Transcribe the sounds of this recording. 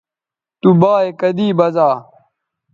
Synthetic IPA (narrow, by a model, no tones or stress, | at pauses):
t̪ubaːekɐd̪iːbɐzaː